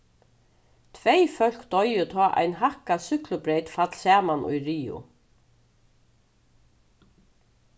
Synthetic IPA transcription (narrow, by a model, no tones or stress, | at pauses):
t̪ʰvejfœl̥kt̪ɔjʏt̪ʰɔːʔa̰jnɦahkasʏklʊpɾejt̪fat̪l̥sɛːmanṵjɾiːʊ̰